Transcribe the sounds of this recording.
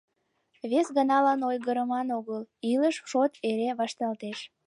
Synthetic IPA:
βesɣənɑlɑnojɣəɾəmɑnoɣəliləʃʃot̪eɾeβɑʃt̪ɑlt̪eʃ

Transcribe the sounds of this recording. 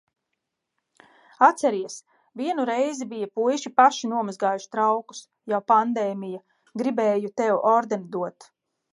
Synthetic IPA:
at̪sɛɾiɛs | viɛnuɾɛjzibijapujʃipaʃinuɔmazɡaːjuʃt̪ɾawku̥s | jawpand̪ɛːmija | ɡɾibɛːjut̪ɛwʔɔɾd̪end̪uɔt̪

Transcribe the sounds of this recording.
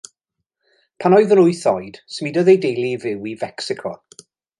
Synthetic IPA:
pʰanɔɨðəɾʊjθɔɨd̥smidɔðejdejlˠivɪwivɛksɪkʰɔ̰

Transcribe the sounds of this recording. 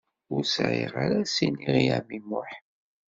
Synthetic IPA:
ʊɾsʕɪ̰ʁaɾasiniʁia̰mimʊħ

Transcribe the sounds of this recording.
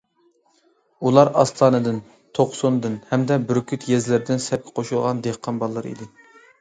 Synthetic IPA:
ulˠɑɾɑst̪ʰɑːnɨd̪ɪn | t̪ʰoqsond̪ɨnhɛmd̪ɛbyɾkʲʰyt̪jɛzlɪɾɪd̪ɪnsɛp̚kʲʰɛ̥qʰoʃulˠʁɑnd̪ehqʰːɑnbɑlˠːɑɾḭd̪ɪ

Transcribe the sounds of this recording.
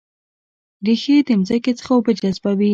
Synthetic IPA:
ɾixed̪əmzaket͡sə̥xawpəd͡ʒazbawi

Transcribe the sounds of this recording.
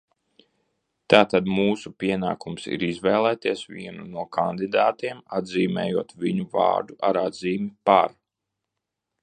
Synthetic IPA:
t̪aːt̪ad̪muːsupiɛna̰ːkumsḭɾizvɛːlˠɛːt̪iɛsvḭɛnunuɔkʰand̪id̪aːt̪iɛmad̪ziːmɛ̰ːjuɔt̪viɲuva̰ːɾd̪uʔaɾad̪ziːmipaɾ

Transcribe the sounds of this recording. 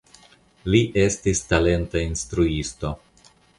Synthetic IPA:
liʔe̞stistale̞ntainstɾuisto̞

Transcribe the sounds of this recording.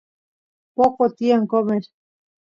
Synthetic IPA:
poqot̪iaŋkomeɾ

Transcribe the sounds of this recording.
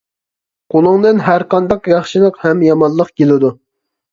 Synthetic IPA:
qʰolˠʊŋd̪ɨnɦæɾqɑnd̪ɑqjɑχʃɨlˠəqhɛmjɑmɑnlˠːəqkʲʰelɪd̪u

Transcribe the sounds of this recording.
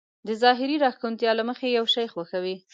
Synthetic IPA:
d̪əzɑɦɪɾiɾɑxkunt̪jɑlaməxejawʃajxwaxawi

